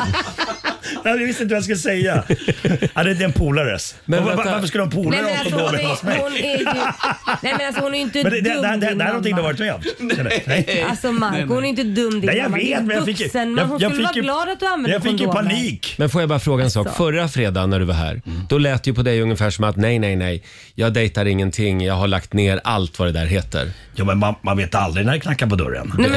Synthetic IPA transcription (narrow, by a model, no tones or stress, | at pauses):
ajavɪst̪ɪnt̪vajaskɵlːəsɛjːa | ad̪ɛɪd̪ɛnpʰuːlaɾɛ̰smɛaɾfəʂ̬skɯləɔmpʰuːlɛaɾaɔsmɛʊn | nɛjɛnasɔhʊnæɾjʏɪnt̪əmɛɛd̪ɛɛd̪ɛhæɾnɔnɪŋd̪avɑɾɪt̪mɛd̪ɛɛalsɔmakʊhʊnæjʏɪnt̪əd̪ɵmːd̪ɛjaveːt̪ːmɛnjafɪkːsənmɛnhʊnsjɑːɵlfaɾɡlɑːd̪at̪̚d̪ʉanvɛnjaɡfkːjpʰaniːkmɛnfoːjajbɑːɾafɾoːɡaɛnsɑːkfœɾːafɾeːd̪anæɖɵvaɦæ̰ːɾd̪̥ɔlɛːt̪ːəjəpʰɔd̪ɛjɵŋːəfæːʂɔmat̪nɛjnɛjnɛj | jɑːɡ̚d̪ɛjt̪aɾɪŋːənt̪ʰɪŋːjɑːɡɦaɭakt̪neːɾa̰lt̪vad̪ɛd̪æ̰ɾɦeːt̪ə̰ɾ | juːmɛnmanmanveːt̪a̰ld̪ɾɪnæɾɪkʰnakːaɾpɔd̪ɵ̰ɾa̰nɛm